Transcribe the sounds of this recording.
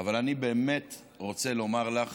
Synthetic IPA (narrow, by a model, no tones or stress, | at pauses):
avalanibe̞ːmet | ʁo̞t͡se̞lo̞maʁlaχ